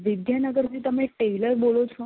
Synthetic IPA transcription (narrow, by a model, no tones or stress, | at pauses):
ʋid̪ʱjanəɡəɾd͡ʑiːt̪əmeʈejləɾboɭot͡sʰo